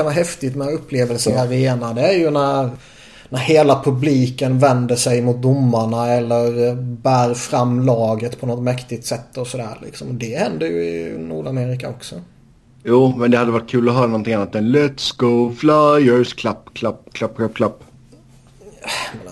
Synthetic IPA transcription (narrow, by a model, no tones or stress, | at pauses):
anaɦɛft̪ɪt̪mɛɵpːleːvəlsəɾaɾeːnad̪ɛæɾjɵnæɾ | næɾheːlapʰɵbliːkənvɛnd̪əʂɛjmʊt̪̚d̪ʊmːaɳaɛlːəɾbæːɾfɾamːlɑːɡət̪pʰɔnɔt̪mɛkt̪ɪɡ̚t̪sɛt̪ʰːɔsɔd̪æ̰ːɾlɪ̰ksɔmɔd̪ɛhɛnd̪əjɵɪ̰nṵːɖameːɾɪkaɔksɔ | juːmɛnd̪ɛhad̪ːəvaʈ̚kʰʉ̟ːlɔɦœːɾanɔnt̪ʰɪŋanːat̪ɛnlɛt̪sɡoflajœskʰlapːkʰlapːkʰlapːɧœpkʰlapː | mɛ